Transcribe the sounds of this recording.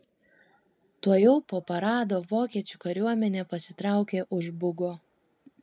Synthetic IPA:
t̪uɔjɛʊpoːpɐɾɑːd̪oːʋoːkʲiɛt͡ʃʲʊkɐɾʲuɔmʲɛnʲeːpɐsʲɪt̪ɾɑˑʊkʲeːʔʊʒbʊɡoː

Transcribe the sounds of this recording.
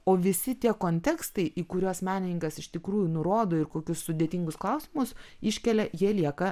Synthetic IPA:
oːʋʲɪsʲɪt̪ʲiɛkoːnʲt̪ʲɛkst̪ɐɪʔiːkʊɾʲoːsmʲæːnʲɪnʲɪŋkɐsɪʃt̪ʲɪkɾuːjʊnʊɾoːd̪oːɪɾkoːkʲʊssʊd̪ʲeːt̪ʲiŋɡʊsklˠɐʊsʲɪmʊsɪʃʲkʲɛlʲɛjiɛlʲiɛkɐ

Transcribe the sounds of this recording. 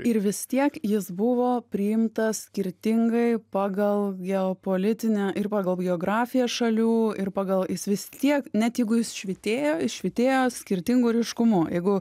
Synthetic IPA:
ɪɾʋʲɪst̪ʲiɛkjɪsbʊʋoːpʲɾʲɪɪmt̪ɐssʲkʲɪɾʲt̪ʲɪŋɡɐɪpɑːɡɐlˠɡʲɛoːpoːlʲɪt̪ʲɪnʲæʔɪrpɑːɡɐlˠɡʲɛoːɡɾɑːfʲɪjɛsʃɐlʲuːɪrpɑːɡɐlˠjɪsʋʲɪst̪ʲiɛknʲɛt̪jɛɪɡʊjɪsʃʲʋʲit̪ʲeːjoːɪʃʲʋʲɪt̪ʲeːjoːsʲkʲɪɾʲt̪ʲɪŋɡʊːɾʲɪʃkʊmʊjɛɪɡʊ

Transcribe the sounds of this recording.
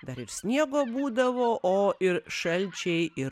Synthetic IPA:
d̪ɐɾɪɾsʲnʲiɛɡoːbuːd̪ɐʋoːʔoːɪɾʃɐlʲt͡ʃʲɛɪɪɾ

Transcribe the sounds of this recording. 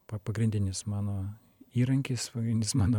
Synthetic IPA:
pɐpɐɡɾʲɪnʲd̪ʲɪnʲɪsmɑːnoː | iːɾɐŋʲkʲɪspɐɡɾʲɪnʲd̪ʲɪsmɑːnoː

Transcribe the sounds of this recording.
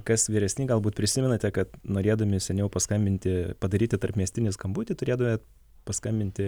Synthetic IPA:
kɐsʋʲiːɾʲɛsʲnʲiːɡɐlˠbuːt̪pʲɾʲɪsʲɪmʲɛnɐt̪ʲɛkɐt̪noːɾʲeːd̪ɐmʲɪsʲɛnʲɛʊpɐskɐmʲbʲɪnʲt̪ʲɪpɐd̪ɐɾʲiːt̪ʲɪt̪ɐrpmʲiɛsʲt̪ʲɪnʲɪskɐmbuːt̪ʲɪt̪ʊɾʲeɛd̪ɐmʲɛ | pɐskɐmʲbʲɪnʲt̪ʲɪ

